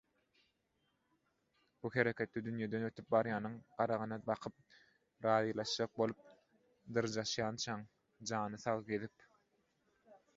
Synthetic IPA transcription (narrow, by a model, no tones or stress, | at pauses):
buheɾe̞kʲʰe̞t̪̚ːɛd̪ynjed̪ønøt̪ʰyp̚bɑɾjɑːnɯŋɢɑɾɑʁɯnɑbɑqʰɯp̚ | ɾɑːðiːlˠɑʃd͡ʒɑq̚bo̞lˠup̚ | d̪ɯɾd͡ʒɑʃjɑːnt͡ʃʰɑŋ | d͡ʒɑːnɯθɑʁˠɡeðip̚